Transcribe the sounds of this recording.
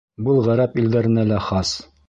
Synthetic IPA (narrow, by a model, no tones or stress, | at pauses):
bɤlˠʁæɾæpild̪æɾɘ̆nælæχɑs